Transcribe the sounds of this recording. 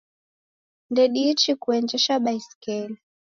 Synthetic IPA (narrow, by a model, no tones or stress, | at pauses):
ndɛɗiːt͡ʃikuɛnd͡ʒɛʃaɓaisi̥kɛli